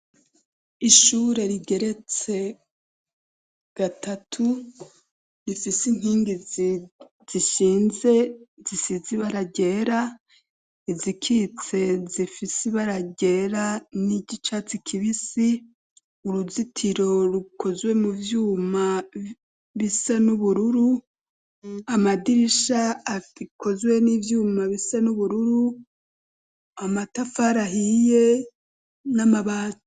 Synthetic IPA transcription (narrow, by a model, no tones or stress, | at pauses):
iʃuːɾe̞ɾiɡe̞ɾe̞t͡se̞ | ɡ̥atatʰu | ɾifisin̥hiːŋɡizi | z̥iʃiːnze̞zisiziβaɾaɟe̞ːɾa | izikʰit͡se̞zifisiβaɾaɟe̞ɾaniɟit͡ʃat͡sikʰiβisi | uɾuzitʰiɾo̞ɾukʰo̞zwe̞muvjuːma | βisanuβuɾuɾu | amadiɾiʃaːikʰo̞zwe̞nivjuːmaβisanuβuɾuɾu | amatafaɾahije̞ | namaβaːt